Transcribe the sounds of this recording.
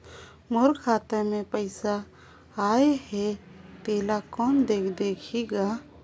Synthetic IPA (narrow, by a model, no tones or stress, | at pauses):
moɾkʰaːt̪əɾmẽpəjsaː | ehɛt̪eːlakɔnd̪ekʰd̪ekʰiɡa